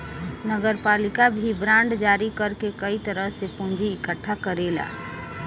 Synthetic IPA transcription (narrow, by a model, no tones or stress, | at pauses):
nəɡəɾpalikabʱibɾãɳɖd͡ʒaɾikəɾkekəit̪əɾəɦsepũnd͡ʒiːkəʈʰːakəɾela̰